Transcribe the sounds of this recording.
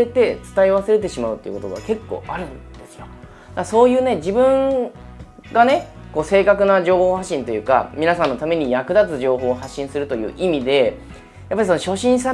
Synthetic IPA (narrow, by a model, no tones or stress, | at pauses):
e̞t̪e̞t͡sɨ̥t̪aiβase̞ɾe̞t̪̬e̞ɕimaɯ̟t̪ːej̰ɯ̰kot̪o̞ɡa̰ke̞kːo̞̰ːʔaɾɯ̟̃nd̪e̞sɨjo̞ | d̪̥aso̞ːjɯ̟ːne̞d͡ʑibɯ̟̃ŋ | ɡane̞ | ko̞ːse̞ːkakɯnaʑo̞ːho̞ːhaɕːĩnt̪o̞jɯ̟ːka̰mʲinasãnːo̞t̪ame̞ɲ̟ijakɯ̟d̪at͡sɨʑo̞ːɦo̞ːɦaɕːĩɰ̃sɨɾɯ̟t̪o̞jɯ̟̰ːʔimʲid̪e̞ | japːaɾiso̞no̞ɕo̞ɕĩɰ̃sa